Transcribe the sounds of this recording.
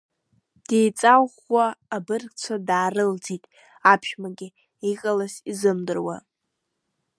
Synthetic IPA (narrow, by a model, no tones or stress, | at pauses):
d̥ejt͡sʼawχwaːbɨrkt͡sʷʰadaːrɨld͡zitʼ | apʰʃᶣmaɡʲɪ | iqʼalasizɨmdɨrwa̰